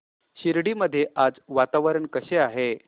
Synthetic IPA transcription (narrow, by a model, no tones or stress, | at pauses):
ɕiɾɽiməd̪ʱːjeʔad͡zʋat̪aʋəɾəɳkəɕeaɦe